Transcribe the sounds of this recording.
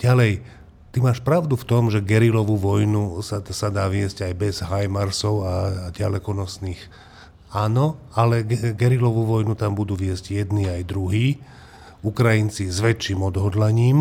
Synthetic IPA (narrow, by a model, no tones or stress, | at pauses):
ɟ̥alɛj | t̪imaːʃpɾaʊd̪uft̪ɔmʒɛɡɛɾilɔʋuʋɔjnusasad̪aːʋɪɛzɟajbɛzɦajmaɾsɔʊaɟalɛkɔnɔsniːx | aːnɔalɛɡɛɡɛɾilɔʋuʋɔjnut̪ambud̪uːʋɪɛzɟjɛd̪niːajd̪ɾuɦiː | ukɾajint͡sizʋɛt͡ʃːiːmɔd̪ɦɔd̪laɲiːm